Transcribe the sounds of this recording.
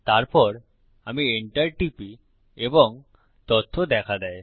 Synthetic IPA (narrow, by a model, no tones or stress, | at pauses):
t̪aɾpɔɾ | amieɳʈaɾʈipi | eboŋ | t̪ot̪ʰːod̪ɛkʰad̪ɛe